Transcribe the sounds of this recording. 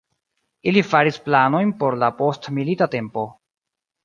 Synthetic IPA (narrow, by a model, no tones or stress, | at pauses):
ilifaɾisplano̞jnpo̞ɾlapo̞stmilitate̞mpo̞